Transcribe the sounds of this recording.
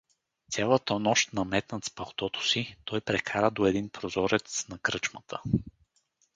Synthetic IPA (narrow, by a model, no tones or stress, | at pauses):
sʲjalˠət̪ənɔʃt̪nɐmɛt̪nət̪spɐlˠt̪ɔt̪o̥sit̪ɔjpɾɛkʰaɾəd̪oɛd̪inpɾozɔɾɛt̪snɐkɾɤt͡ʃmət̪ʰə